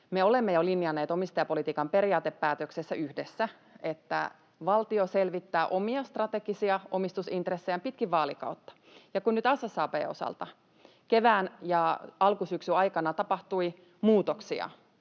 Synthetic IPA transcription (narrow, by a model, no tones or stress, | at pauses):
meo̞lemːejolinːjɑnːeːt̪omist̪ɑjɑpolit̪iːkɑmpe̞ɾiɑːt̪epːæːt̪øksesːæʔyhdesːæ | et̪ːæ̰ | ʋɑlt̪ioselʋit̪ːæːʔo̞miɑst̪rɑt̪eɡisiɑomist̪usint̪resːejɑmpit̪kiʋʋɑːlikɑ̰wt̪ːɑ̥ | jɑkunnyt̪ɑsɑsːɑːpḛːo̞̰sɑ̰lt̪ɑ | keʋæːnjɑɑlkusyksyɑjkɑnɑt̪ɑpɑht̪ui | muːt̪oksiɑ̰